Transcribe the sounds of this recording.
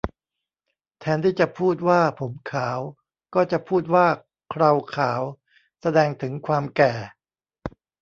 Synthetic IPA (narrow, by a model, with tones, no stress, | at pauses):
t̪ʰɛː˧nt̪ʰiː˥˩t͡ɕa˨˩ʔpʰuː˥˩t̪̚waː˥˩pʰo˩˦mkʰaː˩˦w | kɔː˥˩t͡ɕa˨˩pʰuː˥˩t̪̚waː˥˩ | kʰɾa˧wkʰaː˩˦w | sa˧dɛː˧ŋt̪ʰɯ˩˦ŋkʰwaː˧mkɛː˨˩